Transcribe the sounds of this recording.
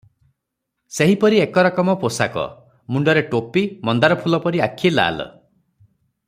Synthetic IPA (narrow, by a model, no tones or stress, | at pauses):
seɦipɔɾiekɔɾakɔmɔposa̰kɔ̰ | muɳɖɔɾeʈopimɔnd̪aɾɔpʰulɔpɔɾiakʰila̰l̰